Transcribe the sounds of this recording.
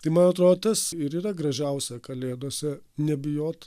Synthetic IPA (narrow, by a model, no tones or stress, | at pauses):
t̪ɐɪmɐnɐt̪ɾoːd̪ot̪ɐsɪɾiːɾɐɡɾɐʒʲɛʊsʲɛkɐlʲeːd̪oːsʲɛnʲɛbʲɪjoːt̪